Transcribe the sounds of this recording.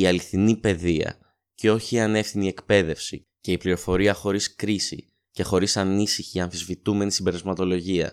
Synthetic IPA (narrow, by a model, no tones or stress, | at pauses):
iɐliθinipe̞ðiɐ̰ | ceo̞çiːɐne̞fθinie̞kpe̞ðe̞fsi | ce̞ipliɾo̞fo̞ɾiɐxo̞ɾiskɾisḭ | ce̞xo̞ɾisɐnisiçiɐnθizvit̪ume̞nisimbe̞ɾɐzmɐt̪o̞lo̞ʝiɐ̰